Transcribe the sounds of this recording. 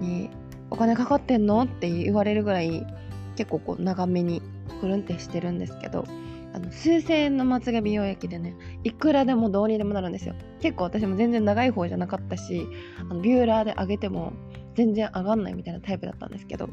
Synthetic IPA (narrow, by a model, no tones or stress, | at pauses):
ɲ̟i | o̞kane̞kakat̪ːẽ̞nːo̞t̪ːe̞jɯʔiβaɾe̞ɾɯ̟ɡɯ̟ɾai | ke̞kːo̞ːko̞̰ːnaɡame̞ɲ̟i | ɸɯ̟ɾɯ̟̃nt̪e̞ɕi̥t̪e̞ɾɯ̟̃nd̪e̞sɨ̥ke̞̰d̪o̞̰ | ano̞sɨːse̞ːnːo̞mat͡sɨɡabʲijo̞ːjakʲid̪e̞ne̞ikɯ̟ɾad̪e̞mo̞d̪o̞ːɲ̟id̪e̞mo̞naɾɯ̟̃nd̪e̞sɨjo̰ | ke̞kːo̞ːβat̪aɕ̬imo̞zẽ̞nd͡zẽ̞nːaɡaiɦo̞ːʑanakat̪ːaɕiano̞bʲɨːɾaːd̪e̞ʔaɡe̞t̪e̞mo̞̰ | d͡zẽ̞nd͡zẽ̞ɰ̃ʔaɡãnːa̰ḭmit̪ainat̪aipɯ̟d̪a̰t̪ːã̰nd̪esɨ̥ke̞d̪o̞̰